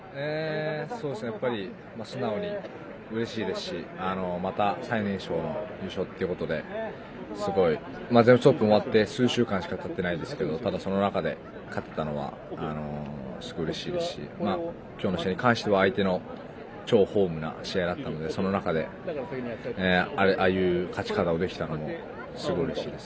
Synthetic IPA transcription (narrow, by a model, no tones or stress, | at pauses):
eːso̞ːdesɨnejapːaɾʲi | masɨnaoɲ̟i | ɯ̟ɾe̞ɕiːd̪e̞sɨ̥ɕiano̞mat̪asainẽ̞ɰ̃ɕo̞ːno̞jɯ̟ːɕo̞t̪ːeɯ̟ko̞t̪o̞d̪e̞ | sɨɡo̞i | mazembɯst̪opːɯ̟̃o̞βat̪ːe̞sɨːɕɨːkãɰ̃ɕi̥kat̪ʰat̪ːe̞naid̪e̞sɨ̥ke̞d̪o̞t̪ad̪aso̞nonakad̪e̞̰ | kʰat̪ːet̪ano̞β̞a̰ | ano̞̰sɨɡoɯ̟ɾe̞ɕiːd̪e̞sɨ̥ɕḭmaː | kʲoːno̞ɕiaɲ̟ikãɰ̃ɕi̥t̪e̞βaːit̪e̞no̞ | t͡ɕo̞ːho̞ːmɯ̟na̰ɕiaid̪at̪ːano̞d̪e̞so̞no̞nakad̪e̞ | aeʔajɯ̟ːkʰat͡ɕi̥kat̪ao̞d̪e̞kʲi̥t̪ano̞mo̞ | sɨɡo̞iɯ̟ɾe̞ɕiːd̪e̞sɨ̥